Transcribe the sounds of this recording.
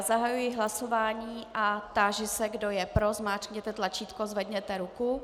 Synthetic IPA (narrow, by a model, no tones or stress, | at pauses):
zaɦajujɪɦlaso̞vaːɲiːʔat̪aʒɪsɛɡdo̞jɛpɾozmaːrkɲɛt̪ɛt̪lat͡ʃiːt̪kozvɛd̪ɲɛt̪ɛɾuku